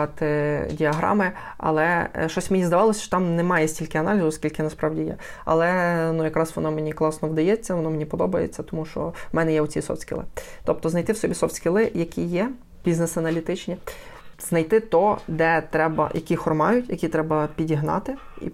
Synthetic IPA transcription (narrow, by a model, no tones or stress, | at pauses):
ɑt̪ɪdʲiɐɦɾɑ̰mɪ | ɐ̰lˠɛʃt͡ʃɔsʲmenʲizd̪ɐʋɑlˠɔsʲt͡ʃɔ̥t̪ɑmnɛmɑjɛsʲtʲilʲkɪɐnɑlʲizʊɔskʲilʲkɪnɐspɾɑʋdʲijɛ̰ | ɐ̰lˠɛnujɐkɾɑsʋɔnɔmenʲiklˠɑsnɔʋd̪ɐjɛt͡sʲːɐʋɔnɔmenʲipɔd̪ɔbɐjḛt͡sʲːɐt̪ɔmuʃt͡ʃɔ̰mɛnɛjɛʊt͡sʲisɔ̰fʲsʲkʲɪ̰lˠɪ̰t̪ɔp̚t̪ɔznɐjt̪ɪwsɔbʲisɔfʲsʲkʲɪlˠɪjɐkʲijɛ | bʲiznɛsɐnɐlʲit̪ɪt͡ʃnʲiznɐjt̪ɪt̪ɔd̪ɛt̪ɾɛbɐ̰jɐkʲixɔrmɑjʊtʲjɐkʲit̪ɾɛbɐpʲidʲiɦnɑ̰t̪ɪ | ḭ